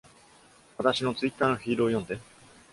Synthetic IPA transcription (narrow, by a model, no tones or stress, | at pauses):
βat̪aɕino̞t͡sɨit̪ːaːnoçiːɾoːjõ̞nd̪e̞